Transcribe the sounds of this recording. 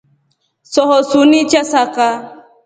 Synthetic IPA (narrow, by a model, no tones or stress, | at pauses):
sɔɦɔsunit͡ʃasaka